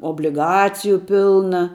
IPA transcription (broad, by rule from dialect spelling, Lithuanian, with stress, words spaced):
oːbʲlʲɪˈɡɑːt͡sʲɪjʊ ˈpʲɪlˠnɐ